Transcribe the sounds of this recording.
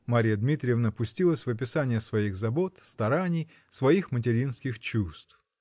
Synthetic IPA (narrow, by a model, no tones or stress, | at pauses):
maɾʲɪjəd̪mʲit̪ɾʲɪjəvnəpʊsʲtʲilˠəsʲvɐpʲɪsanʲɪjəsvɐiɣzɐbo̞t̪st̪ɐɾanʲɪj | svɐixmət̬ʲɪɾʲinskʲɪxt͡ɕust̪f